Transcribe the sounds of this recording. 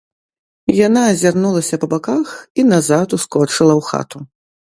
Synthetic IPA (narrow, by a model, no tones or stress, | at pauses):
janaːzʲarnulˠɐsʲɐpɐbakaxinazat̪uskɔt͡ʂɨlˠɐwxa̰t̪u